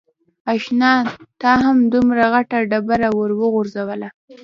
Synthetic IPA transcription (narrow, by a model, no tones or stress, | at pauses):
ɑʃnɑt̪ɑɦamd̪umɾaɣaʈaɖabaɾawəɾwəɣuɾzawəla